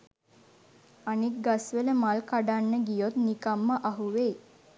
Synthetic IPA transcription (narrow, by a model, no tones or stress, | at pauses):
anik̚ɡasʋeləmalkaɖanːəɡijot̪nikamːəʔaɦuʋeː